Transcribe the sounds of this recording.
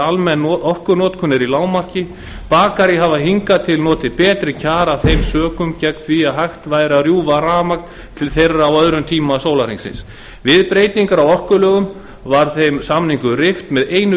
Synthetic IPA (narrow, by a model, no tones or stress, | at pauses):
almɛnɔhkʏnɔːt̪kʰʏnːɪɾilaːwmar̥cɪ | paːkaɾjiɦavaɦiŋkat̪ʰɪlnɔːt̪ɪpɛːt̪ɾɪcʰaːɾaθejmsœːkʏmcɛknθviaɦajxt̪vaːjɾarjuːvaɾaːmak̚n | t̪ʰɪlθejrːaːwœðɾʏmt̪ʰiːmasoːwlariŋsɪ̰ns | vɪðpɾeːjt̪iŋkaɾawɔrkʏlœːɣʏm | vaɾ̥θejmsamniŋkʏrɪft̪mɛðeːjnʏ